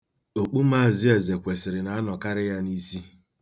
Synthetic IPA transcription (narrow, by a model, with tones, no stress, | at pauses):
o˨k͡pu˦m̩˦a˦˨zɪ˦e˨ze˨kʷe˨sɪ˨ɾɪ˨na˨˦a˦nɔ˨ka˦ɾɪ˦ja˦ni˦si˦